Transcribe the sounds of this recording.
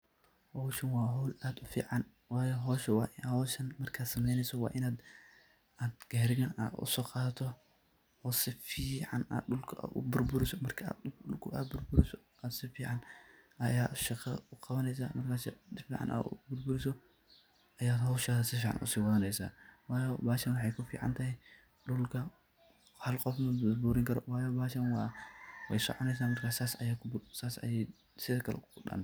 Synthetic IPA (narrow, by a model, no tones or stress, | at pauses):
hɔwʃɐnwɑːɦɔwlaːd̪ʊfḭːʕɑn | waːjɔɦɔːʃɐwɑːʔɪhɔʃɐnmɐrkʰaːd̪sɐmɛjnɛjsɔwɑ̰ːʔɪnaːd̪ | ʔaːd̪ɡ̥aːɾɪɣɐna̰ːʊ̰sɔːqɑːt̪ʰɔ | ɔsɪfiːʕɑna̰ːd̪ɗʊlkʰʊʔa̰ʊ̰bʊrbʊɾɪsɔmɐrkʰɐa̰ːd̪ʊɗʊlkʰʊʔa̰ːd̪̚bʊrbʊɾɪsɔ | ʔaːd̪sɪfiːʕɑnʔajaʃɐxɐkʰʼɐβɐnejs̬amɐt̪kaʃd̪ɪfiʕa̰nʔa̰ʔṵbʊɾbuɾiso | ʔɐjat̪ʃaasɐfiʕa̰nʔa̰siwɐɐnejsɐ̰waːjobaʃɐnwħajkɐfḭʕa̰nt̪ʰa | ɗulkʰɐ | halkʼofmɐbuɾiŋkɐɾowajobaʃɐnwawɐjsɔ̰ʕonejs̬amɐɾkʰasasajakbusasa̰je | sekɐl̰kkuɗa̰n